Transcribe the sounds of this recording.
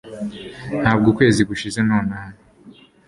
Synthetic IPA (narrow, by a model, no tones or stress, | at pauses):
nhaːb̚ɡukwe̞ːziɡuʃizenoːnaːna